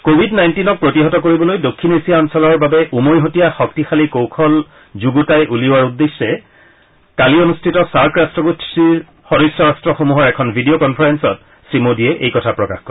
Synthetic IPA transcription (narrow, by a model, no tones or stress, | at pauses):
kobʱidnajntinɔk̚pɹotiɦɔtɔkoɹibɔlojdokʰːinesiaɔnsɔlɔɹbabɛʔumojɦotijaxɔk̚tixalikowkʰɔl | zuɡutajʔuliʊwaɹudːesːɛ | kalionustʰitɔsaɹkɹastɹɔɡotsi | xɔdisːɔɹastɹɔxomuɦɔɹɛkʰɔnbʱidiokɔnpʰɔɹɛnsɔt | sɹimodiɛʔḛjkɔtʰapɹɔka̰xkɔ